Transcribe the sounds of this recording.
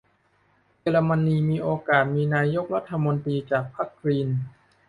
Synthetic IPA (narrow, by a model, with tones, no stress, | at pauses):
jeː˧ɾa˧ma˧nːiː˧miː˧ʔoː˧kaː˨˩t̪̚miː˧naː˧jo˦˥k̚ɾa˦˥t̪ʰːa˧mo˧nt̪ɾiː˧t͡ɕaː˨˩k̚pʰa˦˥kʰːɾiː˧n